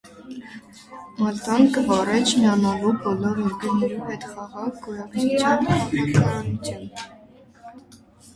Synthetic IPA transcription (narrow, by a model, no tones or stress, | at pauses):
mɑlt̪ɑnkəvɑrɛt͡ʃʰmɛɑnɑlubɔlɔɾɔɾɡənɛɾuɦɛt̪χɑʁɑʁɡɔjɑkt͡ʃɑnɑɑnɑkɑɾɑnut͡sʰjɑn